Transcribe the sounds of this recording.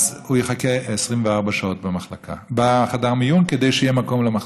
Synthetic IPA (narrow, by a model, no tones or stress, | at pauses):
zhujeχakeːsʁimveaʁbaʃao̞t̚bemaχlakʰa̰baχad̪aʁmijunked̪e̞jʃejemako̞mlema